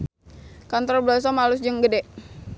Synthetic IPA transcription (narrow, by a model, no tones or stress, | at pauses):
kant̪ɔrbəlas̬ɔmalusd͡ʒəŋɡədɛʔ